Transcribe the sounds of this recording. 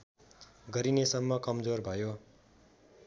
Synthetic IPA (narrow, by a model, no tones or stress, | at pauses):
ɡʌɾinesʌmːʌkʌmd͡zorbʱʌjo